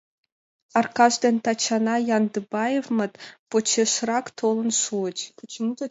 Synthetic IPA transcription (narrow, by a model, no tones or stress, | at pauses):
ɑrkɑʒd̪ent̪ɑt͡ɕɑnɑjɑnd̪ɨbɑjevmət̪pot͡ɕʰeʃrɑkt̪ʰolˠɤ̆nʃuət͡ɕ